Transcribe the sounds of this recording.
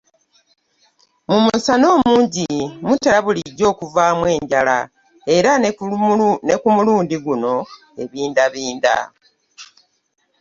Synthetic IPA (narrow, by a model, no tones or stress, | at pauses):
mumusano̞ːmuːɲɟimutːalaβuliɟːo̞ːkuvaːmwe̞ːɲɟala | e̞ɾa | nekumuluːndiɡuno̞ | e̞βiːndaβiːnda̰